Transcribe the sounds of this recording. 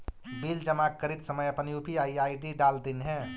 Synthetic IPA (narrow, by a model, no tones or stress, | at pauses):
bild͡ʒəmakːəɾit̪səməjəpənjupiaiaiɖiɖald̪inɦɛ̃